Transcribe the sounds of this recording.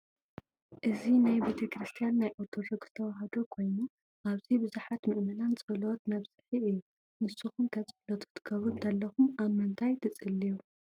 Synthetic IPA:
ʔɨzinajbet̪ʰɐkɾist̪ʰijanːajʔot̪ʰoɾoɡz̥ɨ̥t̪ʰɐwaɦɐd̪o̞kʰo̞jnu | ʔaβzibɨzuħat̪mɨʔmɐlanzʼɨbɐlowt̪̚mɐβz̥ɨħiɨjːu | nɨsːuxumt̪ʰɐt͡sʼɨflɐt̪ʰɨ̥t̪ʰɨ̥kʰːɐβɾunt̪ɐlːɐxumaβmːɨnt̪ʰajt̪ʰɐt͡sʼɨlːiju

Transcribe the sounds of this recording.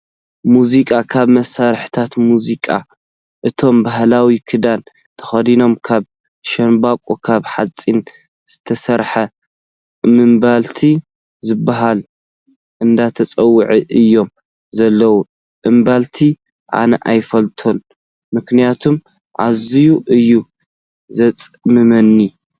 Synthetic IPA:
muzikʼakʰaβmɐsaɾħt̪ʰat̪muzikʼa̰ | ʔɨt̪ʰo̞mbaɦlawikʰɨd̪an | t̪ʰɐ̥xɐd̪ino̞mkʰaβ | ʃɐnbakʼokʰaβħat͡sʼin | z̥ɨt̪ʰɐsɐɾħɐ | mɨmbalt̪ʰi | zɨbːaɦal | ʔɨnd̪at̪ʰɐt͡sʼɐwːɨʕiʔɨjːo̞m | zɐlːɐwu | ʔɨmbalt̪ʰi | ʕa̰nɐ̰ʔajfɐlt̪ʰo̞n | mɨknijat̪ʰum | ʕazijuʔɨjːu | zɐt͡sʼmɨmɐnːi

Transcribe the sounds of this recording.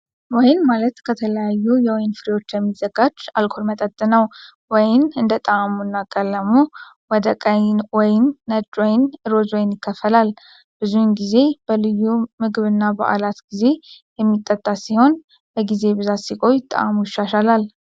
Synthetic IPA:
wɔjnmalət̪kʰət̪ʰələjajːujɛwɔjnfɨɾiwo̞t͡ʃːjɛmːizəɡad͡ʒalkʰo̞ɾmət̪ʼət̪ʼːɨnəw | wɔjnɨnd̪ət̪ʼəamunːakʼəlːəmo | wɔd̪əkʼəjnwɔjnːəd͡ʒʼwɔjnɨɾo̞zwɔjnjɪkːəfːəlal | b̥ɨzunɡize̞b̥əlɨjːumɨɡɨβɨnːabə̰ʔa̰lat̪ɡize̞jɛmːit̪ʼːət̪ʼːasiho̞n | bəɡize̞bɨzat̪sikʼo̞jt̪ʼə̰ʔamujɪʃːaʃalal

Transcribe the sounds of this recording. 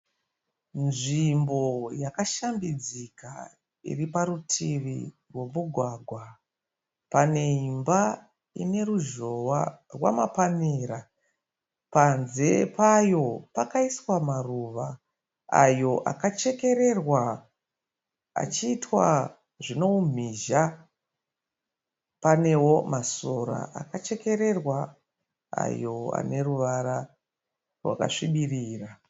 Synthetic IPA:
nʐimbo̞jakaʃambid͡zika̰ | ḭripaɾutʰiʋḭ | rwe̞muɡʱwaɡʱwa | pane̞imba | ḭne̞ruʒo̞warwa̰mapanira | panze̞pajo̞pakaiswamaruʋa | ajo̞ʔa̰kat͡ʃe̞ke̞ɾe̞rwa | a̰t͡ʃiːtwa | ʐino̞um̤iʒa | pane̞wo̞maso̞ɾa̰a̰kat͡ʃe̞ke̞ɾe̞rwa | a̰jo̞a̰ne̞ruʋaɾa | rwa̰ka̰ʂiɓiriːra

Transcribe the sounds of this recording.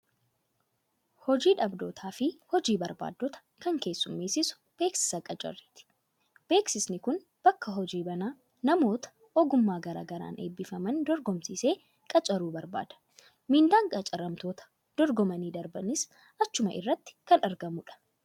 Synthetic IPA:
hɔd͡ʒiːᶑɐbd̪o̞ːt̪ʰaːfɪhɔd͡ʒiːbɐɾba̰ːd̪ːɔt̪ɐ̥kɐŋke̞ːsːʊmːiːsɪsʊ̥ | b̥e̞ːksɪ̥sɐkʼɐt͡ʃʼɐ̰rːiːt̪ɪ̥ | b̥e̞ːksɪsnɪkʊn | b̥ɐkːɐɦɔd͡ʒiːbɐnaː | nɐmo̞ːt̪ɐ̥ | ʔɔɡʊmːaːɡɐɾa̰ːɡɐɾa̰ːnʔe̞̰ːbːɪfɐmɐnd̪ɔɾɡɔmsiːse̞ː | kʼɐt͡ʃʼɐɾuːbɐɾba̰ːd̪̥ɐ̥ | mɪnd̪aːŋkʼɐt͡ʃʼɐɾɐmt̪o̞ːt̪ɐ̥ | d̪̥ɔɾɡɔmɐniːd̪ɐɾbɐnɪs | ʔɐt͡ʃːʊmɐʔɪ̰rːɐt̪ːɪ̥kɐnɐɾɡɐmʊᶑɐ̥

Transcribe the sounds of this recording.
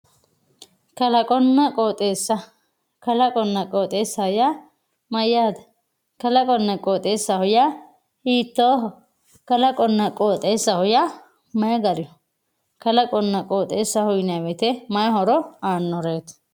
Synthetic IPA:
kɐlɐkʼɔnːɐkʼoːt̪ʼeːsːɐ | kɐlɐkʼɔnːɐkʼoːt̪ʼeːsːɐhʊja | mɐjːaːd̪ɐ̥ | kɐlɐkʼɔnːɐkʼoːt̪ʼeːsːɐhʊjaː | hiːt̪ːoː | kɐlɐkʼɔnːɐkʼoːt̪ʼe̞ːsːɐhʊja | mɐjɐɡɐɾɪɔ | kɐlɐkʼɔnːɐkʼoːt̪ʼeːsːɐhʊjnɐwɛt̪ɛmɐjɐɦɔɾɔaːnːɔɾeːt̪

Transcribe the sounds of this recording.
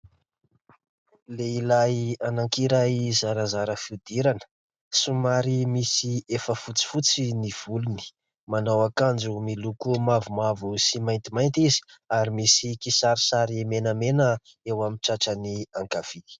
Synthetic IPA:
leilajanaŋkiɾaizaɾazaɾəfid̪iɾanə̥ | sumaɾimisiefəfut͡si̥fut͡siniv̥uluni̥ | manawakand͡zumilukumavumavusimajnt̪imajnt̪izi̥aɾimisikisaɾisaɾimenamenə | ewamiʈ͡ʂaʈ͡ʂaniaŋkav̥i

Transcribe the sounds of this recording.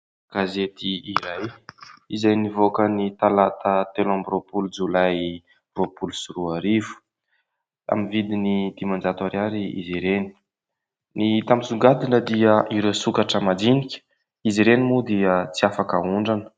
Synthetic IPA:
ɡ̥azet̪iːɾajizajnivokənit̪alat̪ət̪elãmbropulud͡zulaj | ropulusuɾuaɾivu̥ | a̰mivid̪inid̪̥imand͡ʒat̪aɾiaɾiḭziɾeni̥ | nit̪amizuŋɡad̪inəd̪iəʔiɾewsukaʈ͡ʂəmad̪inikʲə̥ | iziɾenimud̪iət͡siafakə̰uɳɖ͡ʐanə̥

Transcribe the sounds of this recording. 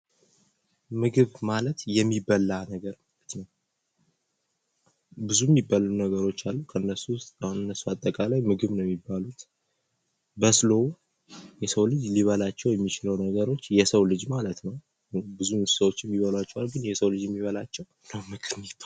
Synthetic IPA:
mɨɡɨβmalət̪jɛmːibːəlːanəɡəɾmalət̪nəw | bɨzujɛmːibːalunəɡəɾo̞t͡ʃːalːukʰəɨnːəsust̪ʼnːəsːuat̪ʼːəkʼalajmɨɡɨβnjɛmːibːalut̪ | bəslow | jɛsəwlɨd͡ʒliβəlat͡ʃːɛwjɛmːit͡ʃɪləwnəɡəɾo̞t͡ʃːjɛsəwlɨd͡ʒmalət̪nəw | bɨzumsəwo̞t͡ʃːɛmːiβəlwat͡ʃːɛwalɡɨnjɛsəwlɨd͡ʒjɛmːiβəlat͡ʃːɛw | nəwmɨkʰɨnɛt̪ʰ

